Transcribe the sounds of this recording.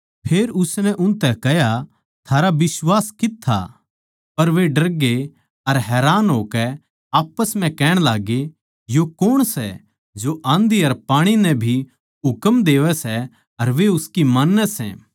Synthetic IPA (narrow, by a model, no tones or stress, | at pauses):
pʰeːɾʊsnɛ̃ʔʊnt̪ɛkɛja | t̪ʰaːɾabɪsʋaːskɪt̪ʰːa̰ | pɐɾʋeɖɐɾɡe | ɐɾɦɛːɾaːnɦoːkɛ | aːpəsm̤ɛ̃kɛːɽ̃laːɡe | jokoɽ̃sɛ̰ | d͡ʒoʔãːnd̪iɐɾpaːɽ̃inɛ̃bʱi | ɦʊkəmd̪eːʋɛsɛ | ɐɾʋeʊskimaːnːɛsɛ̰̃ː